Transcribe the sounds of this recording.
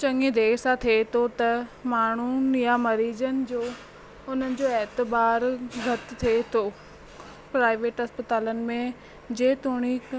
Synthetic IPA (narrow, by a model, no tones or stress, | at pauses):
t͡ɕɐ̃ŋɡed̪ʱeːksãt̪ʰet̪ʰot̪ɐmaːɳ̤unjamɐɾiːd͡ʑənɪ̆d͡ʑoː | ʊn̤ənɪ̆d͡ʑoːɛɦt̪ɪbaːɾɡʱɐt̪t̪ʰːet̪ʰoː | pɾaːɪʋeːʈɦɐspɪt̪aːlənɪ̆mẽ | d͡ʑeːt̪uːɽ̃i